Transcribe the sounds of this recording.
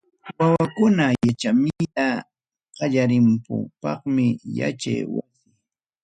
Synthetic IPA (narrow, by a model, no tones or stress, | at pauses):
wawakʊnajat͡ʃamɪjta | qɑʎaɾɪmpʊ̰pɑχmɪja̰t͡ʃa̰jwa̰kɪ